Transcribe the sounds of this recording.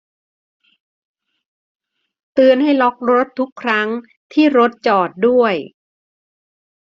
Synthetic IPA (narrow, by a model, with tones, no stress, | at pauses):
t̪ɯː˧ənɦa˥˩jlɔ˦˥k̚ɾo˦˥t̪ʰːu˦˥kʰːɾa˦˥ŋ | t̪ʰiː˥˩ɾo˦˥t̪̚t͡ɕɔː˨˩t̪̚du˥˩əj